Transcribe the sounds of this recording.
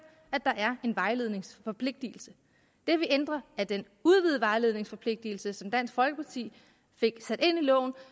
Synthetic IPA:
æd̥ɑ̈ʔæɐe̝nʋɑ̈ɪle̝ð̞ˠne̝ŋsfɒ̽pʰle̝ɡ̥̚d̥il̩sə | d̥e̝ʋiʔend̥ʁɐæd̥en | uð̞ˠʋið̩ˠʋɑ̈ɪle̝ð̞ˠne̝ŋsfɒ̽pʰle̝ɡ̥̚d̥il̩səsɒ̽md̥æn̰sɡ̥fɒ̽lɡ̥əpʰɑ̈t͡sʰḭː | fe̝ɡ̥sæd̥e̝n̰ilɔ̰̽ʊ̰n̩

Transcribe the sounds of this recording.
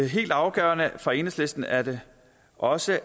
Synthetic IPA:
ɦe̝̰ːld̥ɑ̈ʊɡ̥œ̰ːɐnəfɒ̽e̝̰ːnəsle̝sd̥n̩æɐd̥e̝ | ʔɒ̽sə

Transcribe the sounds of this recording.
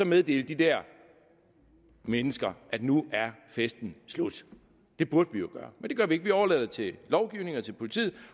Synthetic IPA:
sɒ̽meðˠd̥e̝̰ːl̥d̥id̥æɐ̰ | menəsɡ̥ɐʔæd̥nuæɐfesd̥n̩slud̥ | d̥e̝b̥uɐd̥əʋijo̝ɡ̥ɶːɐmend̥e̝ɡɶɐʋie̝ɡ̥ʋiɒʊɐlɛð̰ˠt͡sʰe̝lɒʊɡ̥iʊne̝ŋɒ̽t͡sʰe̝lpʰo̝lit͡sʰḭð̰ˠ

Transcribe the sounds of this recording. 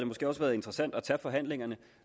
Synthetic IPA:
d̥emosɡ̥e̝̰ːɒ̽sʋæːɐð̞̩ˠe̝nd̥ʁɐsæn̰d̥ɒt͡sʰæfɒ̽ɦæn̰le̝ŋɐnə

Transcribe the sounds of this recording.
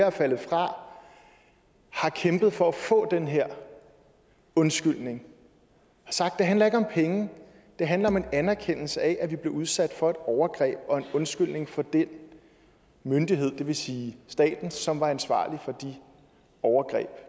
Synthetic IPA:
æfælð̩ˠfʁɑ̈ | hɑ̈kʰemb̥ð̩ˠfɒ̽æfɔ̰̽ːd̥enɦeɐ̰ | ɔ̽nsɡ̥yl̰ne̝ŋ | hɑ̈sɑ̈ɡ̥̚d̥e̝ɦænlɐe̝ɡ̥ɒ̽mpʰeŋə | d̥e̝ɦænlɐɒ̽me̝nænæɐkʰen̰l̩səæʔæʋib̥le̝uð̞ˠsæd̥fɒ̽e̝d̥ɒʊɐɡ̥ʁɛ̰ːb̥ɒ̽e̝nɔ̽nsɡ̥yl̰ne̝ŋfɒ̽d̥en | mønd̥iɦe̝ð̞̰ˠd̥e̝ʋe̝siːsd̥ɛ̰ːd̥n̩sɒ̽mʋɑ̈ænsʋɑ̰̈ːlifɒ̽d̥i | ɒʊɐɡ̥ʁɛ̰ːb̥

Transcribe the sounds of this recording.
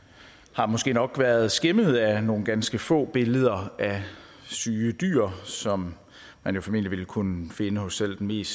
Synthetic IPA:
hɑ̈mɒ̽sɡ̥e̝̰ːnɒ̽ɡ̥ʋæːɐð̞ˠsɡ̥eməð̩ˠæno̝ːn̩ɡ̥ænsɡ̥əfɔ̰̽ːb̥e̝ləð̞ˠɐʔæ | syːəd̥y̰ːɐ̰sɒ̽mː | ænjo̝fɒ̽me̝̰n̰dliʋe̝lkʰunəfe̝nəhɔ̽sːel̰d̥enme̝̰ːs

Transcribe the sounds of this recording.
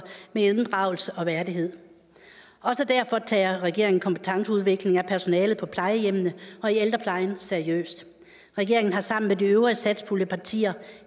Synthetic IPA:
meeðˠnd̥ʁɑ̈ʊ̰l̩səʔɒ̽ʋæɐdiɦe̝ð̰ˠ | ɒ̽səd̥æɐ̰fɒ̽t͡sʰɛ̰ːɐʁɛɡ̥e̝ɐ̰e̝ŋn̩kʰɒ̽mpʰe̥t͡sʰɑ̈ŋsəuð̞ˠʋe̝ɡ̥le̝ŋæpʰæɐso̝nɛːlð̩ˠpʰɒ̽pʰlɑ̈ɪəjem̰nəɒ̽ield̥ʁɐpʰlɑ̈ɪnseɐiø̰ːsd̥ | ʁɛɡ̥e̝ɐe̝ŋn̩ɦɑ̈sɑ̈m̰n̩mediøʊisæd̥spʰuləpʰɑ̈t͡sʰḭːɐ

